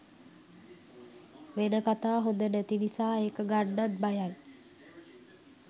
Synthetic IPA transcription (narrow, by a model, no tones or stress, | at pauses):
ʋenəkat̪aːɦod̪ənæt̪inisaːeːkəɡaɖːat̪̚bajal